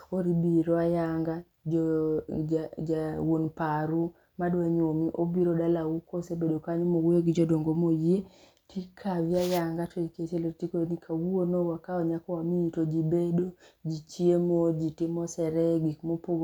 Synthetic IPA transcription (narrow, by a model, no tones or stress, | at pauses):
oɾibiɾɔajaŋɡa | d͡ʒɔ | d͡ʒawonpaɾu | madwaɲomiʔobiɾodalawukosebedokaɲomoweɡd͡ʒɔdoŋɡomoje | tʰikʰavjajaŋɡatʰɔiket͡ʃelotikonikʰawuonowakaɔɲakɔwamiːtod͡ʒibedod͡ʒit͡ʃiemod͡ʒitimɔsɛɾɛɡikmopoɡ